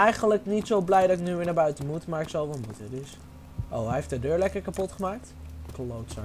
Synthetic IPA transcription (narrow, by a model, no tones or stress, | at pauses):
ɛjχənələknitsowblɛjdɑtɪknyʋɪɹnaːbœɥtənmutmaːɹɪksɑlˠʋɛlˠmutədɪs | ʔo̰wɦɛjeftədøːɹlɛkəɹkapɔtχəmaːk̚tklowtsa